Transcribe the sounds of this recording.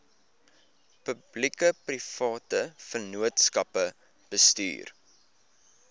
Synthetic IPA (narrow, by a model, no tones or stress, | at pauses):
pəblikəprifɑːtəfənuətskɐpə | b̥əsty̰ːr